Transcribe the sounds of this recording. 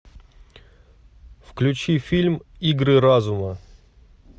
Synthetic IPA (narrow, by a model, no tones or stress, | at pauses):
fklʲʉt͡ɕifʲilʲmiɡɾɨɾazʊmə